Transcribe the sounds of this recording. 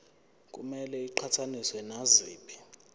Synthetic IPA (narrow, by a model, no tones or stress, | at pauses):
k̬ʼṵmɛlɛiǃʰatʰaniswɛnaziːbʱʼi